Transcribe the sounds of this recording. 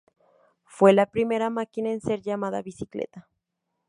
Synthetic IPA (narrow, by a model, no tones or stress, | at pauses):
fwelapɾime̞ɾamakinaenseɾʝamaðaβisiklḛt̪a